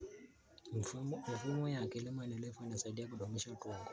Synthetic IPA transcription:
mi˨fumɔ˦ja˨kɛ˨li˦mwa˨nɛ˨lɛ˦fɔ˦ina˨sa˨di˦a˦ku˨ɗɔ˨muʃa˦tɔ˨ŋɡɔ

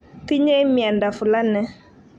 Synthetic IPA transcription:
t̪i˦ɲɛ˦mjɛ˨nda˨fʊ˨la˦nɛ˦

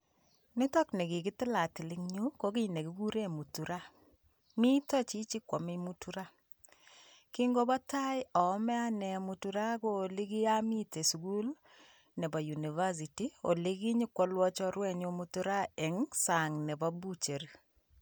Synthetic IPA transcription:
nɪ˦tɔ˦knɛ˨kɪ˨kɪ˦tɪ˦la˨tɪ˨lɪ˦ŋɲu˦ko˦ki˦ne˨ɡi˦ɡu˦ɾe˦mu˨tu˨ɾa˦ | mi˦tɔ˦t͡ʃi˦t͡ʃi˦kwɔ˨mi˦mu˦tu˦ɾa˦ | ki˦ŋɡo˦ba˦ta˦jɔ˨˦mɛ˦a˦nɛ˨mu˨tu˦ɾa˦ko˦˨li˦ɡi˦a˦mi˦te˨sku˦l | nɛ˨ba˨ju˨ni˨va˦s̬i˨ti˦o̰˨li˦ki˦ɲɪ˦kwɔ˦lwɔ˦t͡ʃɔ˦ɾwɛ˦˨ɲo˦mu˦tu˦ɾa˦ɛ˨ŋsa˨ŋnɛ˨ba˦bu˦t͡ʃe˨ɾ

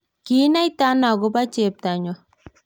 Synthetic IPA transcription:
ki˦na˦jt̪a˦na˨ɡu˦ba˦t͡ʃe˨p̚t̪a˨ɲɔ˨

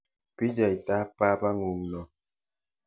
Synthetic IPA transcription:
pi˦d͡ʒa˨i˨ta˦pa˦ba˦ŋu˨ŋnɔ˨

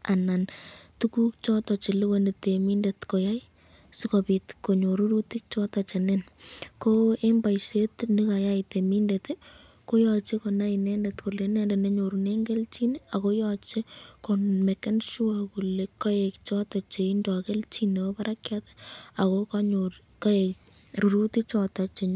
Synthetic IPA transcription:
a˨na˨ntuku˦k̚t͡ʃɔ˦tɔ˨t͡ʃe˨lɪ˦we˦ne˨te˨mi˦ndetko˨ja˦j | sikopi˨tko˨ɲo˨ɾu˦ɾu˦ti˦k̚t͡ʃɔ˦tɔ˨t͡ʃe˨nenko˦e˦mba˨jʃe˦tni˦ka˨ja˦ɪte˨mi˦ndete˦ | ko˦jɔt͡ʃe˦ko˨na˦inɛndetko˨lenɛnde˨ne˦ɲo˨ɾune˦ŋɡe˦lt͡ʃi˦ne˦a˨ko˦jɔt͡ʃe˦komɛkːa˦nʃu˦akulekːa˦jekt͡ʃɔta˨t͡ʃe˨indɔ˨ke˦lt͡ʃineo˦paɾakjatɛ̥a˨kokaɲo | kae | ɾu˨ɾuti˦k̚t͡ʃɔ˧ta˨t͡ʃe˨ɲ

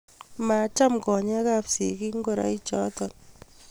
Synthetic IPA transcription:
ma˨t͡ʃa˦mkɔ˨ɲɛ˦kapsḭ˨ki˦ŋ˦ɡo˦˨ɾa̰˨˦i˦t͡ʃɔ̰˦tɔ˨n

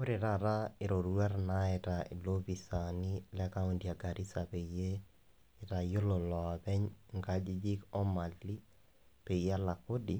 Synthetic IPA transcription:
kʊ˦ɾɪ˨ɾa˦˨ɾa˦ɪ˨ɾo˨ɾua˦rna˦ɛ˨ta˨ɪ˨lo˦bi˨sa˨ni˦lɛ˦ka˦u˦ndja˨ɡa˨ɾi˦sa˨pe˨jeː˦˨ | ta˨jo˦lo˨lɔ˨a˨pɛ˦ɲŋɡa˦d͡ʒi˦d͡ʒi˦kɔ˦ma˨li˦ | pe˨ija˦la˨ko˦di˦

